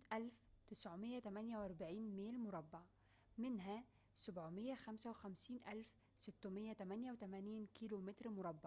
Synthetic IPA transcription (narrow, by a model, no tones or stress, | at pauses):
t̪ʔælft̪ɪsʕomɪjːæt̪æmænjæwʔɑɾˤbaʕiːnmeːlmʊɾˤɑbːɑʕ | mɪnɦæ | sabʕmɪjːæxæmsæwɪxæmsiːnʔælf | sɪt̪ːʊmɪjːæt̪æmænjæwt̪æmæːniːnkiːlomɪt̪ɾmʊɾˤɑbːɑʕ